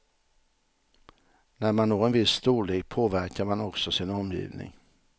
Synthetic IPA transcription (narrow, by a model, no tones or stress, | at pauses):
næɾmanːoːɾɛnvɪsːt̪uːleːk̚pʰoːvæɾkaɾmanɔksɔsɪnɔmːjḭːvnɪ̰ŋ